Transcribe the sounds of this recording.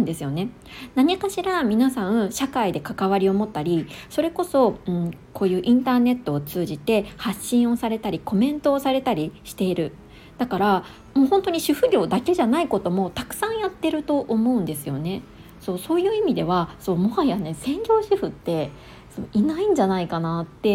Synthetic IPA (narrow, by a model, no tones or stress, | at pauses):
nd̪e̞sɨjo̞ne̞ | naɲ̟ikaɕiɾamʲinasãɕakaid̪e̞kakaβ̞aɾʲio̞mo̞t̪ːaɾʲiso̞ɾe̞ko̞so̞ɯ̟̃ɴko̞ːjɯ̟ːʔĩnt̪aːne̞t̪ːo̞ːt͡sɨːʑit̪e̞haɕːĩɰ̃o̞saɾe̞t̪aɾʲiko̞mẽ̞nt̪o̞ːsaɾe̞t̪aɾʲiɕi̥t̪e̞iɾɯ̟ | d̪̥akaɾa | mo̞ːɦõ̞nt̪o̞ɲ̟iɕɨɸɯ̟ɾʲo̞ːd̪ake̞ʑanaiko̞t̪o̞mo̞t̪akɯ̟̥sãɰ̃jat̪ːe̞ɾɯ̟t̪o̞ʔomo̞ɯ̟̃nd̪e̞sɨjo̞̰ne̞ | so̞ːso̞ːjɯ̟ːimʲid̪e̞βaso̞ːmohajane̞sẽ̞ŋɡʲo̞ːɕɨɸɯ̟t̪ːe̞ | soinaĩɲ̟d͡ʑanaikanat̪ːe̞